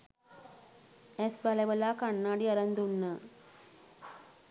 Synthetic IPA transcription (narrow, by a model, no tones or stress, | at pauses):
ɛsbaleʋəlaːkaɳːaːɖiaɾɐnd̪unːaː